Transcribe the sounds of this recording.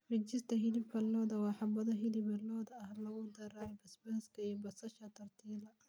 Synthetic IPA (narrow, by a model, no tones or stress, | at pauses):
rɪt͡ʃɪst̪ʰɐɦɪlɪbkʰɐlɔːðɐwɑːħɑbɐðɔɦɪlɪbɐlɔːðɐɐhlɐɣʊd̪ɐɾɐʕɛbɐsbɐhskʰɐijɔbɐsɐʃɐt̪ʰɐrt̪ʰiːlɐ